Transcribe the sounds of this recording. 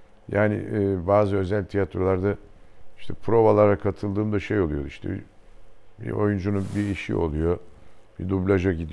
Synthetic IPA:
jaːnɪ̰ʔːbaːzɯø̞zælʲt̪ʰijat̪ɾo̞lˠaɾd̪aiʃt̪ʰɛpʰɾo̞balˠaɾakʰat̪ʰɯlˠd̪ɯːmd̪aʃejo̞lˠujo̞iʃt̪ʰɛ̰i | bḭo̞̰jund͡ʒununbiiʃḭo̞̰lˠujo̞bid̪ublʲˠaʒaɟid̪i

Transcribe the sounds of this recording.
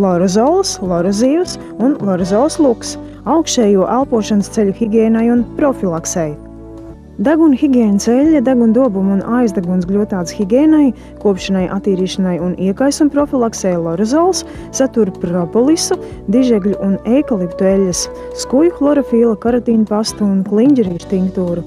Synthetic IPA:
lˠɔɾɔzɔːlˠslˠɔɾɔziːvs | unlˠɔɾɔzɔːlˠslˠuks | awkʃɛːjuɔʔalˠpuɔʃanst̪selʲuxʲiɡʲɛːnajunpɾɔfʲilˠaksɛj | d̪aɡunxʲiɡʲɛːnselʲːɐd̪aɡund̪uɔbumunʔajzd̪aɡuns̬ɡlʲuɔt̪aːt̪sxiɡʲɛːnaj | kuɔpʃanajʔa̰t̪ːiːɾiːʃanajuniɛkajsumpɾɔfʲilˠaksɛjlˠɔɾɛzɔlˠsː | at̪uɾpɾɔpɔlˠisud̪iʒɛɡlʲuʔunejkalˠipt̪uɛlʲːɐs | skujuxlˠɔɾɔfiːlˠakaɾat̪iːnpast̪uːnkliɲɟɾiːʃt̪iŋkt̪uːɾu

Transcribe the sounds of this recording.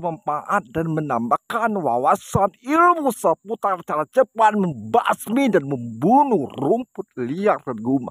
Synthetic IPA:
məmpaʔat̪̚danmənambakanwa̰wasanilmusəput̪art͡ʃaɾat͡ʃəpat̪̚məmbasmidanməmbunuhrumpʊt̪̚liardanɡuma̰

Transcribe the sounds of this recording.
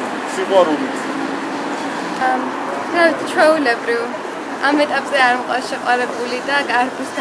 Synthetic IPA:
siʁwaɾulis | ɡɾait̪t͡ʃʰwɛulɛbɾiv | amɛt̪ʼapʼzɛaɾmqʼwa̰sʃɛqʼwaɾɛbulid̪aɡaɾbt̪ʰ

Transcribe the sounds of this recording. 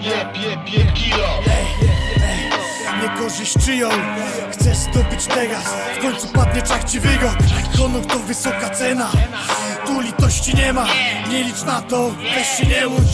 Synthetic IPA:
ɛɛ | ɲɛkɔʐɨɕt͡ʂɨjɔ̃w | xt̪sɛzd̪ɔbɨt͡ɕt̪ɛɡas | fkɔɲt̪supad̪̚ɲɛt͡ʂakt͡ɕivɛɡɔkɔnukt̪ɔvɘsɔkat̪sɛna | t̪ulʲit̪ɔɕt͡ɕiɲɛmaɲɛlʲit͡ʂnat̪ɔt̪ɛɕt͡ɕɛɲɛu

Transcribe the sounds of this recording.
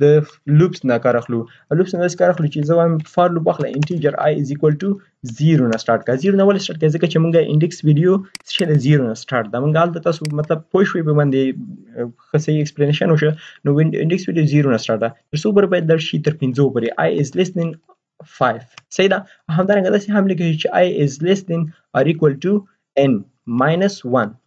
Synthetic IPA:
d̪ə | lupsnakɑɾaxlu | alupsnad̪ɑse̥kɑɾaxlut͡ʃezəwajmfɑɾlup̬wɑxla̰ʔɪnʈid͡ʒaɾa̰jɪzikwalʈu | ziɾunasʈɑɾʈkaziɾunawalesʈɑɾʈkazəkat͡ʃemuŋɡaɪ̰ɳɖɪkswiɖijosʃelaziɾonasʈɑɾʈd̪amuŋɡaalt̪at̪ɑsomat̪lab̚poʃwepəmand̪e | xəsɐiekspleneʃanwoʃənoɪ̰ɳɖɪkswiɖijoziɾonasʈɑɾʈ̚d̪at̪əɾsop̬oɾebajad̪laɽʃit̪əɾpɪnzopoɾeʔa̰jɪzlesd̪ɪn | fajfsɐid̪a | awɦamd̪aɾaŋɡad̪ɑseɦamlik̬əʃit͡ʃeʔajɪzlɪsd̪ɪn | aɾikwalʈu | en | majnɐswan

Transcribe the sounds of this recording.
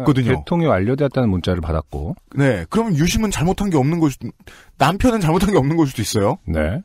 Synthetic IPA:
kʌdɯɲetʰoŋewaʎːʌdeʌt̚t͈anɯnmunt͡ɕ͈aɾɯɭpadak̚k͈o̰ne̞kɯɾʌmjʌnjuɕʰimɯnt͡ɕaɭmotʰanɡe̞ʌmnɯnɡʌɕʰido | nampʰjʌnɯnt͡ɕaɭmotʰanɡe̞ʌmnɯnɡʌsʰid̥ois͈ʌjone̞̰

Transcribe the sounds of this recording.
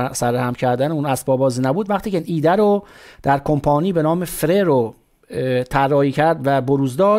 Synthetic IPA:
sæɾæhæmcʰæɾd̪æneunæsbɒːbɒːziːnæbuːd̪væχt̪ʰiːcʰeinʔiːd̪æɾod̪̥æɾkʰompʰɒːniːbe̞nɒːmefɾeɾo | t̪ʰærːɒːhiːcʰæɾd̪væboɾuːzd̪ɒː

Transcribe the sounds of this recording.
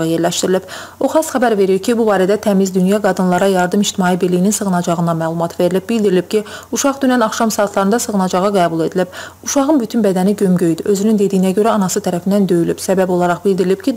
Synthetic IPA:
ɑje̞ɾlæʃt̪iɾilib̥ | o̞χɑsχæbæɾve̞ɾiɾcʰibubɑːɾæd̪æt̪ʰæmizd̪ynjɑɡɑd̪ɯnlˠɑɾɑjɑɾd̪ɯmid͡ʒt̪ʰimɑːjibiɾlijininsɯɣɯnɑd͡ʒɑʁɯnd̪ɑmæːlˠumɑt̪ʰve̞ɾilib̚bild̪iɾilib̥̚cʰiuʃɑʁd̪ynænɑχʃɑmsɑːt̪ʰlˠɑɾɯnd̪ɑsɯʁɯnɑd͡ʒɑʁɑɡæːbulˠe̞d̪ilib̥ | uʃɑʁɯmbyt̪ʰynbæd̪æniɟømɟøjd̪yø̞zynynd̪e̞d̪ijinæɟø̞ɾæɑnɑsɯt̪ʰæɾæfind̪ænd̪ø̞jylybsæbæbo̞lˠɑɾɑχbild̪iɾilib̚cʰi

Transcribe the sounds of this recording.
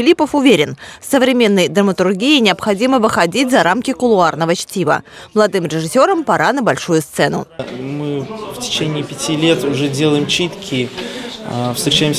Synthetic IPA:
ɪlʲipəfʊvʲeɾʲɪnfsəvɾʲɪmʲe̞nːəjd̪ɾəmət̪ʊrɡʲiɪnʲɪɐpxɐdʲiməvɨxɐdʲitʲzɐɾʔamkʲɪkʊlˠʊarnəvət͡ɕtʲivə̰məlˠɐd̪ɨmɾʲɪʐɨsʲoɾəmpɐɾʔanəbɐlʲʂujʊst̪sɛnʊ̰mɨftʲɪ̥t͡ɕenʲɪːpʲɪtʲilʲe̞t̪ʊʐɛdʲelˠəjɪmt͡ɕit̪kʲɪ | fst̪ɾʲɪt͡ɕæjɪms

